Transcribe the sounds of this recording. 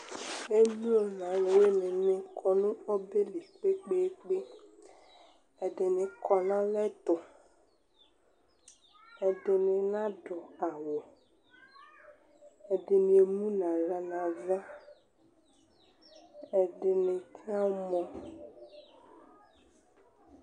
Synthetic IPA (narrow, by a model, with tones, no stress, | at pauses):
e˦mũ˦o˨nã˨le˨we˦nẽ˨nɪ̃˨kʰɔ˨nũ˦ɔ˦be˦le˨k͡pe˦k͡pe˦k͡pe˦ | e˨ɖe˨nẽ˨kʰɔ˨nã˦lɛ˦t̪ʊ˨ | e˨ɖɪ˨nɪ̃˨nã˦ɖɔ˨a˨wo˨ | e˨ɖɪ˨nĩ˨e˨mũ˦nã˨la˨nã˨vɛ˦ | e˨ɖɪ˨nɪ̃˨kʰa˦mɔ̃˦